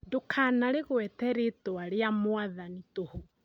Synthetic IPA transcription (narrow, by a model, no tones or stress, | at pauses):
dokʰanaɾeɣwɛtɛɾetoaɾeamoaðanitoho